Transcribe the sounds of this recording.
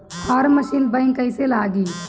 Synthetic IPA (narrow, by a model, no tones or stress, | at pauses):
həɾməʃiːnbə̃ɪŋkːəɪselaːɡiː